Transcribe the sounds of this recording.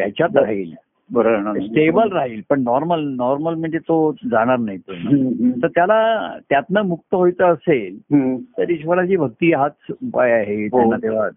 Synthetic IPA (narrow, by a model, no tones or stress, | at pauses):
ja̰t͡ɕat̪ɾaɦiːl | bəɾoɳasʈebəlɾaɦiːlpəɳnɔɾməlnɔɾməlm̤əɳd͡zet̪od͡zaɽ̃aɾnaɦit̪ot̪əɾt̪jalat̪jat̪nəmuk̚t̪əɦojt͡səːselt̪əɾiɕʋəɾat͡ɕiːbʱək̚t̪iːɦat̪upajaɦet̪anːat̪eʋ̤a